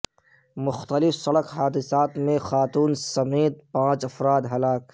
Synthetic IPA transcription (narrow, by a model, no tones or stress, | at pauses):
mʊxt̪əlɪfsɐɽəkɦaːd̪ɪsaːt̪mẽxaːt̪uːnsɐmeːt̪̚pãːt͡ʃɐfɾaːd̪ɦɐlaːk̚